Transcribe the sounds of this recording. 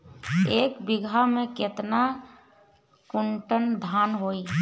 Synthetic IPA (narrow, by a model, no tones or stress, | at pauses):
eːkbɪɡʱamẽkɪt̪na | kʊɳʈənd̪ʱaːnɦoi